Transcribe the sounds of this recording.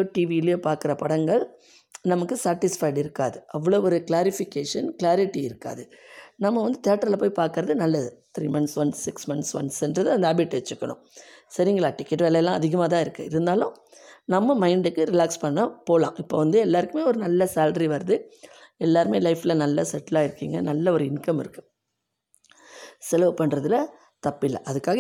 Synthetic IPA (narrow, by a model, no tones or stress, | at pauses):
oʈiːʋiɪlɪjoːpaːɾkɪɾɐpɐɽɐŋɡɐɭ | nɐmɐkːɯsaːɾʈɪsfɐɪɽɪɾɯkːa̰ːðɯʔɐʋːɐɭoːɔɾɯklaːɾɪfɪkːeːʂɐnklaːɾɪʈːiɪɾɯkːa̰ːðɯnɐmːɐʋɐnd̪ɯt̪ɪjaːʈːɐɾlɐpoːjpaːɾkɯɾɐðɯnɐlːɐðɯt̪ɾiːmɐnsʋɐnsːɪksmɐnsʋɐnsɛndɾɐðɯɐnd̪ɐaːbɪʈːʋɛt͡ʃːɯkːɐɳʊ̰̃sɐɾɪŋɡɐɭaːʈɪkːɛʈʋeːlɐjlːãːɐðɪɣɐmaːt̪̬ãːɪɾɯkːɯ̰ɪɾɯnd̪aːlʊ̃ | nɐmːɐmɐɪɳɖɯkːɯɾɪlaːkspɐɳːɐpoːlãːʔɪpːoːʋɐnd̪ɯɛlːaːɾɯkːɯmeːɔɾɯnɐlːɐsaːlɖɾiʋɐɾɐðɯɛlːaːɾɯmeːlɐɪfɪlɐnɐlːɐsɛʈːɪlaːɪɾɯkːiːŋɡɐnɐlːɐɔɾɯɪnkɐmɪ̰ɾɯkːɯ | sɛlɐʋɯpɐɳːɾɐðɯlɐ | t̪ɐpːɪlːɐ̰ʔɐðɯkːaːɣɐ